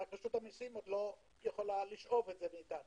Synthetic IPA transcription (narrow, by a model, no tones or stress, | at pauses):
ak̚paʃut̪amisimod̪lo̞ | jeχo̞laliʃʔo̞vetzemiːt̪anu